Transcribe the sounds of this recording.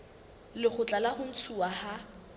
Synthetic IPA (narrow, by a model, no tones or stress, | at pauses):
lɪχʊt͡ɬʼalahʊn̩t͡sʰuwaha